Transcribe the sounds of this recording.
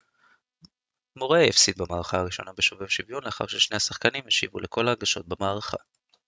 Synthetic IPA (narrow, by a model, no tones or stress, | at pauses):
mo̞ʁeifsid̪̚bemaːʁaχaaʁiʃo̞̰nabeʃovevʃivjonleaχa̰ʁʃeʃne̞hasaχkanimeʃivulekʰo̞laːɡaʃo̞t̪̚bemaːʁaχa̰